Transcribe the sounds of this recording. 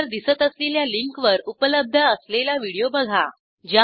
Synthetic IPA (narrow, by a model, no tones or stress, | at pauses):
ɾd̪isət̪əsleljaliŋkʋəɾupələb̚d̪ʱəːslelaʋiɽijobəɡʱa | d͡ʑa